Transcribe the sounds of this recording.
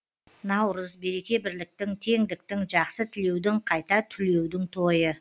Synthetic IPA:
nɑwɾəzbe̞ɾe̞kʲe̞bɪɾlɪk̚t̪ɪŋt̪ʰe̞ŋd̪ɪk̚t̪ɪŋʒɑqsət̪ʰɪle̞wd̪ɪŋqʰɑjt̪ɑt̪ʰʏle̞wd̪ɪŋt̪ʰo̞jə

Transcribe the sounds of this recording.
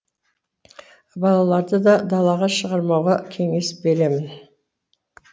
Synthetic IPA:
bɑlˠɑlˠɑɾd̪əd̪ɑd̪ɑlˠɑʁɑʃəʁɑɾmɑwʁɑkʲʰe̞ŋe̞sbe̞ɾe̞mɪn

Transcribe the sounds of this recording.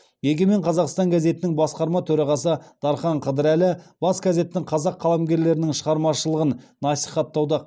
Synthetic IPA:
jeɡʲe̞me̞ɴqʰɑzɑqst̪ɑŋɡʲæze̞t̪ɪnɪŋbɑsqɑɾmɑt̪ʰɵɾɑʁɑsəd̪̥ɑɾχɑɴqʰəd̪ɪɾælɪbɑsɡaze̞t̪ɪːɪŋqʰɑzɑqʰːɑlˠɑmɡʲe̞ɾle̞ɾɪnɪŋʃəʁɑɾmɑʃəlˠəʁənnɑsijχɑt̪ːɑwd̪ɑ

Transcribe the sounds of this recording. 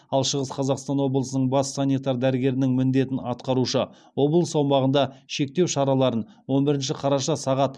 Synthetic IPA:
ɑlˠʃəʁəsqʰɑzɑqst̪ɑnwo̞blˠəsənəɴbɑsːanʲijt̪ɑɾd̪æɾɪɡʲe̞ɾɪnɪŋmɪnd̪e̞t̪ɪnɑt̪qɑɾuʃə | wo̞blˠəsɑwmɑʁənd̪ɑʃe̞k̚t̪e̞wʃɑɾɑlˠɑɾən | wo̞nbɪɾɪnʃɪqʰɑɾɑʃɑsɑʁɑt̪

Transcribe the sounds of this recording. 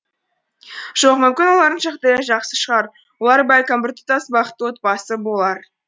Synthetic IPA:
ʒ̥o̞qmʏmkʲɪnwo̞lˠɑɾd̪ənʃɑqt̪ɑjɑʒɑqsəʃəʁɑɾ | wolˠɑɾbɑjʲkambɪɾt̪ə̥t̪ɑsbɑχət̪ːəwo̞t̪̚pɑsəbo̞lˠɑɾ

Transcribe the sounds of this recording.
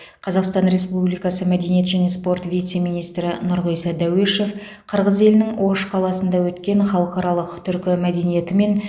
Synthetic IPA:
qʰɑzɑqst̪ɑnɾe̞spublijkɑsəmæd̪e̞nijet̪ʒæne̞spo̞rt̪vʲijt̪se̞mijnijst̪ɾɪnʊɾʁəjsɑd̪æweʃe̞f | qʰəɾʁəze̞lɪnɪŋwo̞ʃqʰɑlˠɑsənd̪ɑwɵt̪kʲe̞ɴχɑlˠəqɑɾɑlˠəqt̪ʰʏɾkʲɪmæd̪e̞nije̞t̪ɪme̞n

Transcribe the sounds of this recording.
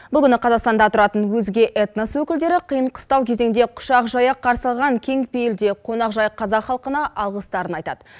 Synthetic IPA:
bbʊlˠʲɪnɪqʰɑzɑqst̪ɑnd̪ɑt̪ʰʊɾɑt̪ənwɵzɡʲe̞ʔet̪nəswɵkʲɪld̪e̞ɾɪqʰijəɴqʰə̥st̪ɑwkʲʰeze̞ŋd̪e̞qʰʊ̥ʃɑqʒɑjɑqʰɑɾsəlˠʁɑŋkʲʰe̞ŋpejeld̪e̞qʰo̞nɑqʒɑjqʰɑzɑqχɑlˠqənɑʔɑlˠʁəst̪ɑɾənɑjt̪ɑd̪̥ə

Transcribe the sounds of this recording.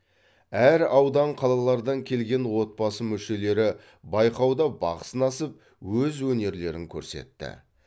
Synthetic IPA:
æɾɑwd̪ɑɴqʰɑlˠɑlˠɑɾd̪ɑŋkʲʰe̞lɡʲe̞nwo̞t̪̚pɑsəmʏʃe̞le̞ɾɪ | bɑjqɑwd̪ɑbɑ̰qə̥sənɑsəp̚ | wɵzwɵne̞ɾle̞ɾɪŋkʲʰɵ̰ɾse̞̰t̪ːɪ̰

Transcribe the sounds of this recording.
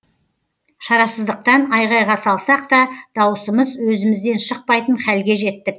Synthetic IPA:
ʃɑɾɑsəzd̪əq̚t̪ɑnɑjʁɑjʁɑsɑlˠsɑq̚t̪ɑd̪̥ɑwəsəməzwɵzɪmɪzd̪e̞nʃəq̚pɑjt̪əɴχælɡʲe̞ʒe̞t̪ːɪk̚

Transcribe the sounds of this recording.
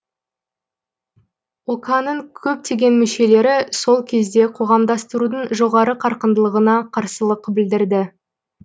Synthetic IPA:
wokɑnəŋkʲʰɵp̚t̪ʰe̞ɡʲe̞nmʏʃe̞le̞ɾɪso̞lˠkʲʰe̞zd̪e̞qʰo̞ʁɑmd̪ɑst̪əɾud̪əɴʒo̞ʁɑɾəqʰɑɾqənd̪əlˠəʁənɑqʰɑɾsəlˠəqbɪld̪ɪɾd̪ɪ

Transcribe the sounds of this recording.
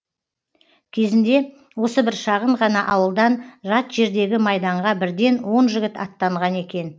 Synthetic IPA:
kʲʰe̞zɪnd̪e̞ | wo̞səbɪɾʃɑʁəɴʁɑnɑʔɑwəlˠd̪ɑnʒɑt̪ʒ̥e̞ɾd̪e̞ɡʲɪmɑjd̪ɑɴʁɑbɪɾd̪e̞nwo̞nʒɪɡʲɪt̪ɑ̰t̪ːɑɴʁɑne̞kʲe̞n

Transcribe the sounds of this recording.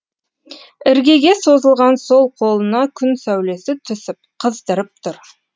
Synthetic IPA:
ɪɾɡʲe̞ɡʲe̞so̞zəlˠʁɑnso̞lˠqʰo̞lˠənɑkʲʰʏnsæwle̞sɪt̪ʰʏsɪp̚qʰəzd̪əɾəp̚t̪ʰʊɾ

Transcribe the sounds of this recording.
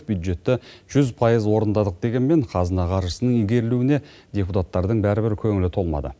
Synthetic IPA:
bjud̪ʒe̞t̪ːɪʒ̥ʏzpʰɑjəzwo̞ɾənd̪ɑd̪əq̚d̪e̞ɡʲe̞nme̞ɴqʰɑzənɑqʰɑɾʒəsənəɴiɡʲe̞ɾɪluɪne̞ | d̪ʲe̞put̪at̪ːɑɾd̪əɴbæɾɪbɪɾkʲʰɵŋɪlɪt̪ʰo̞lˠmɑ̰d̪ə̰

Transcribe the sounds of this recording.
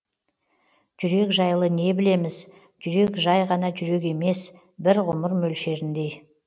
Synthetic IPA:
ʒ̥ʏɾe̞kʒɑjlˠəne̞bɪle̞mɪz | ʒʏɾe̞kʒɑjʁɑnɑʒʏɾe̞k̬e̞me̞s | bɪɾʁʊməɾmɵlʃe̞ɾɪnd̪e̞j

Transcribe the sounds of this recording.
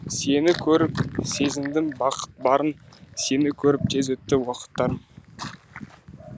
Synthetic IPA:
se̞nɪkʲʰɵɾɪpse̞zɪmd̪ɪmbɑqə̥t̪̚bɑɾənse̞nɪkʲʰɵɾɪp̚t̪ʰezɵt̪ːɪwɑqə̥t̪ːɑɾ

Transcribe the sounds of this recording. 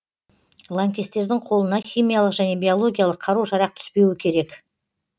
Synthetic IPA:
lˠaŋkʲest̪e̞ɾd̪ɪŋqʰo̞lˠənɑxʲijmʲijalˠəqʒæne̞bʲijo̞lˠo̞ɡʲijalˠəqʰːɑɾuwʃɑɾɑq̚t̪ʰʏ̥spe̞wɪkʲʰe̞ɾe̞k

